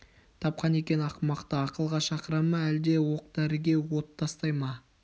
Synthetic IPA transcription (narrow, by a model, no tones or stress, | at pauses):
t̪ʰɑp̚qɑne̞kʲe̞nɑqmɑqt̪əɑqəlˠʁɑʃɑqəɾɑmɑæld̪e̞wo̞q̚d̪æɾɪɡʲe̞wo̞t̪ʰːɑst̪ɑjmɑ